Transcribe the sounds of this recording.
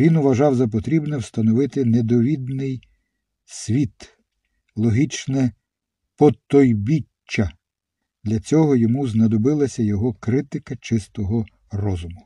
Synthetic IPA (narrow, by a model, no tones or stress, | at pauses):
inʊʋɐʒɑwzɐp̬ɔt̪ɾʲibnɛwst̪ɐnɔʋɪt̪ɪned̪ɔʋʲid̪nɪj | sʲʋʲit̪ | lˠɔɦit͡ʃnɛ | pɔt̪ɔjbʲit͡ʃːɐ | d̪̥lʲɐt͡sʲɔɦɔjɔmuznɐd̪ɔbɪlˠɐsʲɐjɔɦɔkɾɪt̪ɪkɐt͡ʃɪst̪ɔɦɔ | rɔzʊmʊ